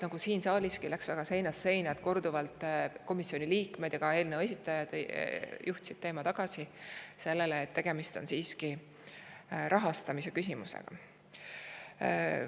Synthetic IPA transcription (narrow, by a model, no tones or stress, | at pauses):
nɑɡ̥usiːnsɑːlʲiskilæksvæɡ̥ɑse̞jnɑsːe̞jnɑd̪̥ko̞rd̪uvɑlt̪ˑko̞misio̞nʲiliːkme̞d̪jɑɡ̥ɑe̞ːlnewe̞sʲit̪ˑːɑjɑd̪̥jʔuht̪sid̥̪̚t̪e̞ːmɑt̪ɑɡ̥ɑsise̞lːeleːt̪ːe̞ɡ̥e̞mist̪o̞nsiːski | ɾʔɑɦɑst̪ɑmise̞kysʲimusḛɡ̥ɑ̰